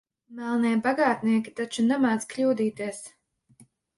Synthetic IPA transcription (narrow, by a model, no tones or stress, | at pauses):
mælˠniɛbaɡaːt̪niɛkʲi̥t̪at͡ʃunamaːsklʲuːd̪iːt̪iɛs